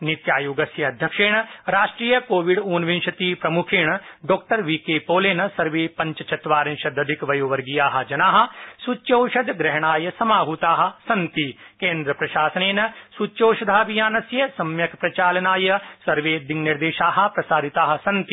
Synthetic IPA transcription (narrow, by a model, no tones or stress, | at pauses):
nit̪jaːjuːɡɐsjɐɐd̪ʱjɐkʂeːɳ̃ɐɾaːʂʈɾiːjɐkoːʋiɖoːnʋĩnʃɐt̪iːpɾɐmukʰeːɳ̃ɐɖoːk̚ʈɐɾʋikeːpoːleːnɐsɐɾʋeːpɐ̃ɲt͡ʃɐt͡ʃɐt̪ʋaːɾɐ̃nʃɐd̪ɐd̪ʱikʋɐjoːʋɐɾɡijaːɦɐ̆d͡ʒɐnaːɦɐ̆sut͡ʃːjoːʃɐd̪ɡɾɛɦɐɳ̃aːjɐsɐmaːɦut̪aːɦɐ̆sɐnt̪ikẽːnd̪ɾɐpɾɐʃaːsɐneːnɐsut͡ʃjoːʃɐd̪ʱaːʋijaːnɐsjɐsɐmjɐkpɾɐt͡ʃaːlɐnaːjɐsɐɾʋeːd̪iŋniɾd̪eːʃaːɦɐ̆pɾɐsaːɾit̪aːɦɐ̆sɐnt̪i̥